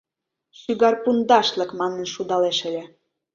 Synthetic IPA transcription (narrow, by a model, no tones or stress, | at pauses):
ʃyɡɑrpund̪ɑʃlə̆kmɑnə̆nʃud̪ɑleʃə̆lʲe